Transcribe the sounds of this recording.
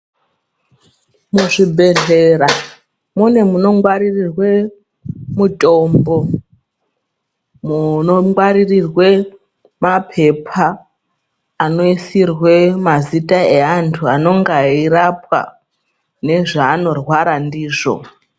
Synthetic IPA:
muʐibʱe̞ɮe̞ra | mune̞muno̞ŋɡwaɾirirwe̞ | mutʼo̞mbo̞ | munoŋɡwaɾirirwe̞ | mapʰe̞pʰa | no̞isirwe̞mazitʼaeantʰuano̞ŋɡairap̚wa̰ | ne̞ʐaːno̞rwaɾandiːʐo̞̰

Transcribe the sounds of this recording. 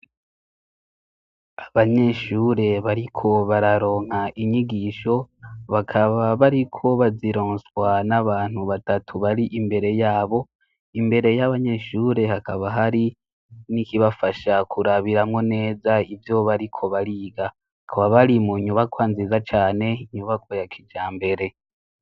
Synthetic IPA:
aβaɲe̞ʃuːɾe̞βaɾikʰo̞βaɾaɾo̞ːŋ̥haʔiɲiɡiʃo̞βakʰaβaβaɾikʰo̞βaziɾoːnswanaβaːn̥huβatatʰuβaɾiʔimbe̞ɾe̞jaːβo̞ | imbe̞ɾe̞jaβaɲe̞ʃuːɾe̞hakaβaɦaɾi | nikiβafaʃakʰuɾaβiɾamŋo̞ne̞ːzaivjo̞βaɾikʰo̞βaɾiːɡa | akʰaβaβaɾimuɲuβakwaːnzizat͡ʃaːne̞iɲuβakʰojakʰid͡ʒaːmbe̞ɾe̞

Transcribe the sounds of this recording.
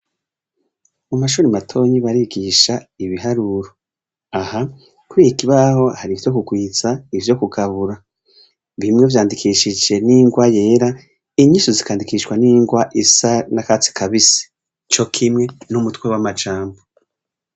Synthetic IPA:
mumaʃuːɾimatʰo̞ːɲiβaɾiɡiʃaiβiɦaɾuɾo | aha | kuɾijikiβaho̞haɾivjo̞kuɡwiːt͡saivjo̞kuɡaβuɾa | βimŋe̞vjaːndikʰiːʃid͡ʒe̞niːŋɡwaje̞ːɾa | iɲiʃozikaːndikiːʃwaniːŋɡwaʔisanakat͡si̥kʰaβisi̥ | t͡ʃo̞kʰimŋe̞numutkwe̞wamat͡ʃaːmbo

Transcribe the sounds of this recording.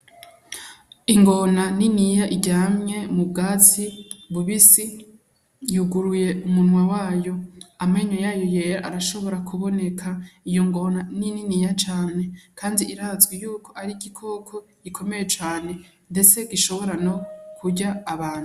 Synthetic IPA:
iŋɡo̞naninijaʔiɾɟaːmŋe̞mub̚ɡaːt͡siβuβisi | juɡuɾuje̞ʔumunwawaːjo̞ameɲojaːjo̞je̞ɾaʔaɾaʃo̞βo̞ɾakʰuβo̞ne̞kʰaijo̞ŋɡo̞nanininijat͡ʃaːne̞kʰaːndiʔiɾaːzɡwejuːkʰo̞ʔaɾiɡikʰo̞kʰo̞ɡ̥ikʰo̞me̞je̞t͡ʃaːne̞ | nde̞t͡se̞ɡiʃo̞βo̞ɾano̞kuɟaːβaːn̥hu

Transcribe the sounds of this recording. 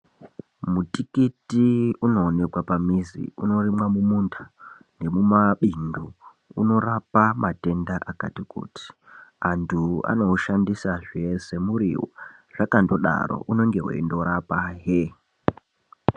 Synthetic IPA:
mutikitiuno̞ːne̞kwapamizḭuno̞rimwamumundʰḁ | ne̞mumaɓindu | ṵno̞rapamate̞ndaʔakatikṵti̥ | antʰua̰no̞ʃandisaʐese̞muɾḭwo̰ʐ̥akando̞ɗa̰ɾo̰ʔuno̞ŋɡe̞wḛindo̞ɾapaɦe

